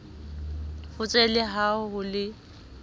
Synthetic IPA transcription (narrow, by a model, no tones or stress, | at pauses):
fʊt͡sʼɛlɪɦaʊɦʊlɪ